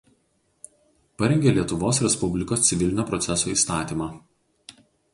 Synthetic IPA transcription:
pɐɾʲɛŋʲɡʲeːlʲiɛt̪ʊʋoːsɾʲɛspʊbʲlʲɪkoːst̪sʲɪʋʲɪlʲɪnʲoːpɾɔt̪sʲɛsoːiːst̪ɑːt̪ʲiːmɑː

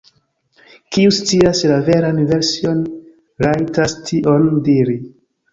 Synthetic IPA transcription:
kiust͡siaslave̞ɾanve̞ɾsio̞n | ɾajtastʰiʔondiɾi

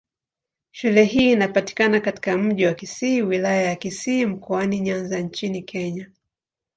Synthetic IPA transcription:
ʃulɛɦiːnapati̥kanakati̥kam̩ʄiwakisiːwilajajakisiːm̩kɔaniɲanzaɲt͡ʃinikʰɛɲa

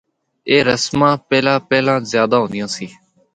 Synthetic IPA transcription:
eːɾəsmãːpɛːlãːpɛːlãːzjaːd̪aːɦõːnd̪ɪjãːsiː

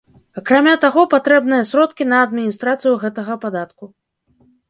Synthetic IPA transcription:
akɾamʲat̪aɣɔpat̪ɾɛbnɨjɐsʲɾɔt̪kʲinɐːd̪mʲinʲist̪ɾat̪sɨjuɣɛt̪ɐɣɐpad̪at̪ku

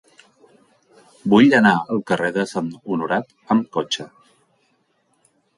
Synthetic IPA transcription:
buʎənaəlˠkəreðəsanunuɾat̪ | əmkot͡ʃə

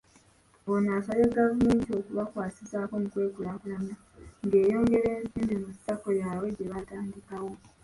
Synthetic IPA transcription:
βonaːsaleɡavume̞ːntio̞kuβakwaːsisako̞mukwe̞ːkulakulama | ŋɡe̞ːjo̞ːŋɡe̞ɾeːnziːmbemustːakojaːwe̞ɟeβataːndikawo̞

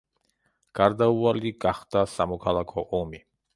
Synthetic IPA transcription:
ɡ̥aɾd̪aualiɡaχd̪̥asamɔkʰalˠakʰɔʔɔmi

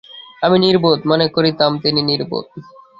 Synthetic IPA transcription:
aminiɾbot̪mɔnekoɾit̪amt̪ininiɾbo̰t̪̚

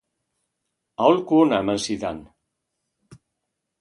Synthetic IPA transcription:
aolkuonamansiða̰n

